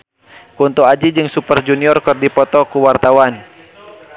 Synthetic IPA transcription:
kunt̪uad͡ʒid͡ʒɨŋsupərd͡ʒuniɔrkɨrdipɔt̪ɔkuwart̪awan

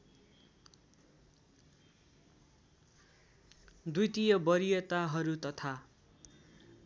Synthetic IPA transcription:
d̪ujt̪ijʌbʌɾijʌt̪aɦʌɾut̪ʌt̪ʰa

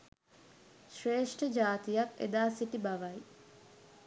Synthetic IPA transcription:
ʃreːʂʈəd͡ʒaːt̪ijakḛd̪aːsiʈibaʋɐj

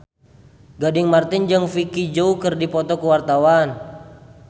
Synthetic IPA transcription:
ɡadɪŋmart̪ɪnd͡ʒəŋfikid͡ʒoukɨrdipɔt̪ɔkəwart̪awan

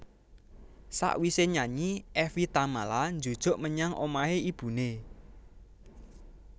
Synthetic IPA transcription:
sa̰ʔwiseɲaɲiɛfit̪amaland͡ʒo̤d̥ʒ̥o̤ʔməɲaŋʔo̰maɦeib̥ṳne

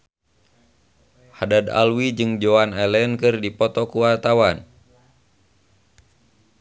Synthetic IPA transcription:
hadad̪a̰lwid͡ʒɨŋd͡ʒɔanɛlɛnkɨrdipɔt̪ɔkuwart̪awan

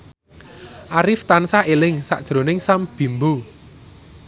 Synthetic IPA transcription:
ʔaɾɪft̪ansaʔelɪŋsa̰ʔd̥ʒ̥ɾo̤nɪŋsamb̥i̤mbu

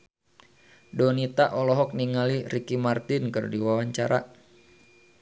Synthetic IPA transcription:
dɔnit̪aʔɔlɔɦɔk̚niŋaliɾikimart̪ɪnkɨrdiwawaɲt͡ʃaɾa

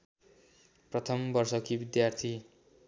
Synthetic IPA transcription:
prʌt̪ʰʌmbʌrsʌkibid̪jart̪ʰi

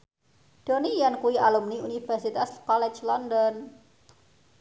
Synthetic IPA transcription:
ɖ̥onijankuwialumniunifɛrsit̪askɔlɛt͡ʃlɔndɔn

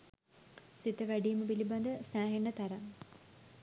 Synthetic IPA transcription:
sit̪əʋæɖijməpiliband̪əsæːɦeɳːət̪aɾaŋ

